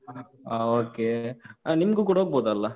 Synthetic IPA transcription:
aoːkeaniməɡuːk̬uɽɐɦoːɡ̚boːd̪ɐlːɐ

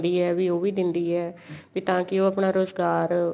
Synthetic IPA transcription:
d̪iːɛːʋiːoːʋiːd̪ɪnd̪iːɛːpit̪ãːkɪoːəpɳaːɾoːzɡaːɾ

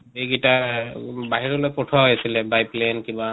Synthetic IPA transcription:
biɡita | baɦiɹɔlojpɔtʰɔɦjasilɛbajplenkiba

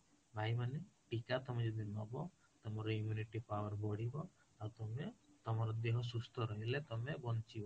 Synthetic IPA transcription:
bʱajmaneʈikat̪ɔmed͡ʒɔd̪inɔbɔ | t̪ɔmɔɾɔimjuniʈipawɔɾbɔɽibɔ | awt̪ɔmet̪ɔmaɾɔd̪eɦɔs̬ust̪ʰɔɾɔɦilet̪ɔmebɔnt͡ʃibɔ

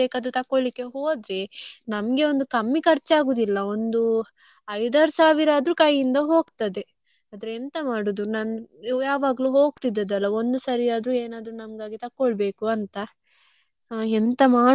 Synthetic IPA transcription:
eːkɐd̪ɾut̪ɐkːoɭlikːe̞ɦo̞ːd̪ɾe̞nɐmɐɡe̞o̞nd̪ukɐmːikɐɾt͡ʃːaːɡuːd̪ilːɐo̞nd̪u | ɐjd̪aːɾsaːʋiɾaːd̪ɾuːkɐjind̪ɐɦo̞ːɡt̪ɐd̪e̞ | aːd̪ɐɾeːnt̪ɐmaːɽud̪unanjaːʋaːɡɐluɦoːɡ̚t̪id̪ɐd̪ɐlːɐo̞nd̪usɐɾijaːd̪ɾuːeːnaːd̪ɾunɐmɡaːɡit̪ɐkːɔɭbe̞ːkuɐnt̪ɐ | ent̪ɐmaː

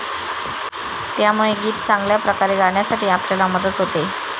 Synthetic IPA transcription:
t̪jamuɭeɡiːt̪t͡sãŋɡljapɾəkaɾeɡaɳjasaʈiːapljalaməd̪ət̪ɦot̪e

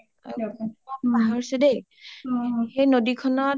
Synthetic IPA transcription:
a̰ɔbaɦaɹsɛdej | xejnodikʰɔnɔ

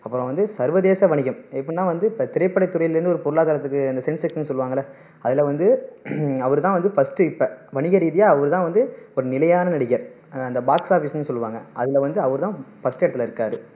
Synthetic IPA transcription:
ɐpːɯɾõʋɐnd̪ɯsɐɾʋɐðeːsɐʋɐɳɪɣɐmɛpːɐɳɪnːãːʋɐnd̪ɯpːɐt̪ɪɾɐɪpːɐɽɐɪt̪ːʊɾɐjɪlɪɾɯnd̪ɯɔɾɯpɔɾɯlaːɣaːɾɐt̪ːɯkːɯɐnd̪ɐsɛnsɛksɪnːɯsɔlːɯʋaːŋɡɐlɐ | ɐðɪlɐʋɐnd̪ɯ | ɐʋɐɾɯt̪ãːʋɐnd̪ɯfɐsʈɯɪpːɐʋɐɳɪɣɐɾiːðɪjaːɐʋɐʋɐɾɯt̪ãːʋɐnd̪ɯɔɾɯnɪlɐjaːnɐnɐɽɪɣɐɾ | ɐnd̪ɐbaːksaːfiːsɐnːɯsɔlːɯʋaːŋɡɐɐðɪlɐʋɐnd̪ɯɐʋɐɾɯt̪ãːfɐsʈɛɽɐt̪ːɪlɐɪɾɯkːaːɾɯ

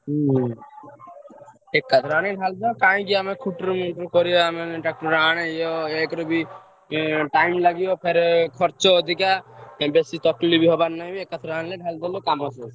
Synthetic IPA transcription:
ekːat̪ʰɾaːɽ̃eɖʱald͡ʒ̪akãːĩkiamẽkʰuʈɾmuʈɾkɔɾijoamẽʈak̚ʈəɾaːɽ̃ejoekɾobʱi | ʈaimləɡijopʰeɾkʰɔɾt͡ʃod̪ʱikãbesit̪ɔʈlibʱiɦɔbaɾnːaĩbiekːat̪ʰɾañleɖʱald̪elokamɔses

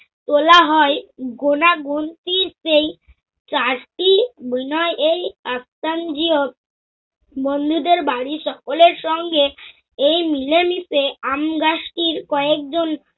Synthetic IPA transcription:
t̪olaɦɔeɡonaɡont̪iɾsej | t͡ɕaɾʈibinɔeʔejast̪ʰand͡ʑio | bond̪ʱud̪eɾbaɽiʃɔkoleɾʃɔŋɡe | ejmilemiseamɡaʃʈiɾkɔek̚d͡ʑon

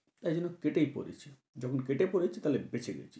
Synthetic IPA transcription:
t̪ajd͡ʑonːokeʈejpo̰ɾḛt͡ɕʰi | d͡ʑɔkʰonkeʈepoɾet͡ɕʰet̪alebet͡ɕʰeɡɛ̰t͡ɕʰi̥

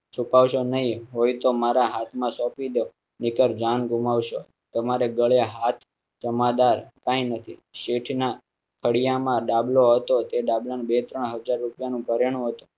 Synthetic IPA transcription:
t͡ʃʰupaʋʃonəɦĩɦojt̪omaɾaɦat̪ʰmãsɔpid̪o | nɪkəɾd͡ʒanɡʱumaʋʃo | t̪əmaɾeɡəɭjaɦat̪ʰ | d͡ʒəmad̪aɾkãĩnət̪ʰiʃeʈʰna | kʰəɽijamãɖabloɦət̪ot̪eɖablanbet̪ɾəɳɦəd͡ʒaɾːupjanũpəɾeɽ̃ũɦət̪ũ̥

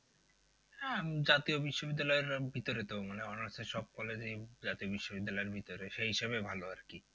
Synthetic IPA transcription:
hɛd͡ʑat̪iobiʃːobid̪ːalɔeɾbʱit̪oɾet̪omaneɔnaɾsʰeʃɔb̚kɔled͡ʑid͡ʑat̪iobiʃːobid̪ːalɔeɾbʱit̪oɾeʃeɦiʃeβebʱaloaɾki

